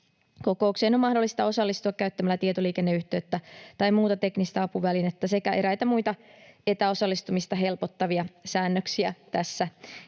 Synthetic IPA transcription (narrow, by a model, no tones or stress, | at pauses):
ko̞ko̞ukseːnomːɑhdolːˑist̪ɑo̞sɑlːist̪uɑkkæyt̪ːæmælːæt̪iet̪oliːkenːeyht̪eːt̪ːæt̪ɑjmuːt̪ɑt̪e̞knist̪ɑɑpuʋælinet̪ːæse̞kæeɾæjt̪æmuit̪ɑe̞t̪æo̞sɑlːist̪umist̪ɑɦe̞lpot̪ːɑʋiɑsæːnːøksiæt̪æsːæ